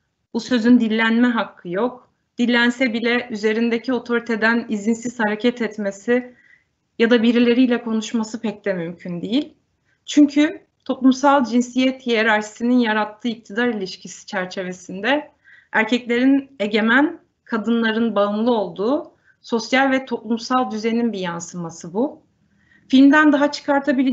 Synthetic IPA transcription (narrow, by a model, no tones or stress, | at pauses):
busø̞zynd̪ilʲlːʲænmɛɦakʰːɯjo̞k̚ | d̪̥ilʲːænsɛbilʲɛʔyze̞ɾind̪ecʰio̞t̪ʰo̞ɾit̪ʰe̞d̪ænizinsiz̥haɾecʰɛt̪ʰɛt̪me̞si | jad̪abiɾilʲe̞ɾijlʲɛkʰo̞nuʃmasɯpʰɛc̚d̪ɛmymcʰynd̪ijilʲ | t͡ʃʰyɲcʰy | t̪ʰo̞plˠumsalˠd͡ʒinsijɛt̪jijeɾaɾʃi̥sininjaɾat̪ʰːɯːic̚t̪ʰid̪aɾilʲiʃcʰisi̥t͡ʃʰæɾt͡ʃʰe̞ve̞sind̪ɛ | æɾcʰɛclʲe̞ɾine̞ɟe̞mæn | kʰad̪ɯnlˠaɾɯnbaɯnlˠɯo̞lˠd̪uː | so̞sjalʲvɛt̪ʰo̞plˠumsalˠd̪yzeninbijansɯmasɯbu | filʲmd̪ænd̪aɦat͡ʃʰɯ̥kʰaɾt̪ʰabilʲi